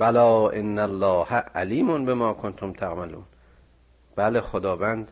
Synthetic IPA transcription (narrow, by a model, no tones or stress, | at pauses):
bælɒːʔenːælːɒːhæʔæliːmonbemɒːkʰont̪ʰomt̪ʰaɣmaluːn | b̥æːleχod̪ɒːvænd̪